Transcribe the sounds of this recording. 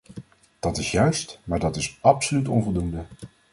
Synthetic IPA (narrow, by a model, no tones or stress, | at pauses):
d̥ɑtɪsjœɥstmaːɹdɑtɪsɑpsolytɔnvɔlˠdundə